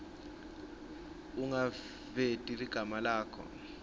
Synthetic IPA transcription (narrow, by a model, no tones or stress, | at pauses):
uŋa | vetʼiliɡ̥ʱamalaːkʰɔ̰